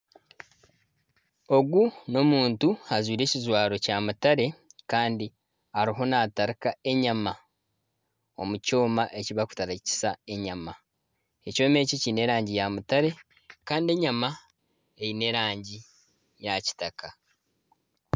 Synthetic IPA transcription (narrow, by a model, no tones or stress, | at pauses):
o̞ɡuno̞muːntuhazwiːɾe̞ːcizwaːɾo̞camutaɾe̞kaːndi | aɾiɦo̞naːtaɾikae̞ɲama | o̞̰muco̞ːmaʔeciβaku̥taɾaci̥sae̞ɲama | e̞co̞ːme̞ːcicine̞ɾaːɲɟijamutaɾe̞ | kaːndie̞ɲama | ejine̞ɾaːɲɟi | jaci̥takʰa